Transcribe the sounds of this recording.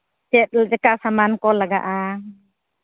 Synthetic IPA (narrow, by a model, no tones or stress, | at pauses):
tɛt̪̚ld͡ʒakaʔsamankɔlaɡa̰ʔa